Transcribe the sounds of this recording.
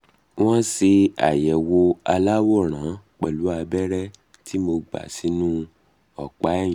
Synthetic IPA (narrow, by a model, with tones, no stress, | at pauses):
w̃ɔ̃˦si˧a̰˨jɛ˨wo˧a˧la˦wo˦˨ɾ̃ã˨˦k͡pɛ̰˨lu˨˦a˧bɛ˦ɾɛ˦ | tʰi˦mo˧ɡ͡ba̰˨si˨˦nũ˦ | ɔ˦˨k͡pa˨˦ɛ˦˨j̃